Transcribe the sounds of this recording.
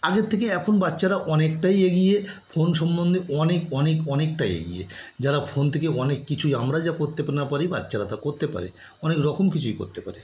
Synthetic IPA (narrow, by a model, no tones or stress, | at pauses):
aɡet̪ʰːekeɛkʰonbatːɕʃaɾaʔɔnek̚ʈajeɡijefonʃɔmbond̪ʱeʔɔnekɔnekɔnek̚ʈajḛɡḭjḛd͡ʑaɾafʰont̪ʰekeɔnekːit͡ɕʰujamɾad͡ʑakoɾt̪epaɾnapaɾibatːɕʃaɾat̪akoɾt̪epa̰ɾḛ | ɔnekɾɔkʰomkit͡ɕʰujko̰ɾt̪epa̰ɾe